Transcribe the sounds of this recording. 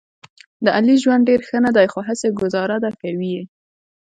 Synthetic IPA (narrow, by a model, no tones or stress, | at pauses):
d̪əʔaliʒwand̪̚ɖeɾxənad̪ajxoɦəseɡʊzɑɾad̪akawi